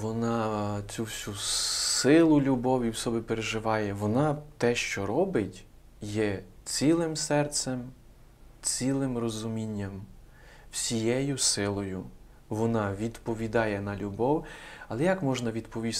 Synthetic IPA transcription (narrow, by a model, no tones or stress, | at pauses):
ʋɔnɑt͡sʲuwsʲusɪlˠʊlʲubɔwʲiwsɔbɪpeɾeʒɪʋɑjɛʋɔnɑt̪ɛʃt͡ʃɔɾɔbɪtʲ | jɛ | t͡sʲilˠɪmsɛrt̪sɛm | t͡sʲilˠɪmrɔzʊmʲinʲːɐm | w̥sʲijɛjʊsɪlˠɔjʊ | ʋɔnɑʋʲid̪pɔʋʲid̪ɑjɛnɐlʲubɔwɐlˠɛjɐkmɔʒnɐʋʲid̪pɔʋʲis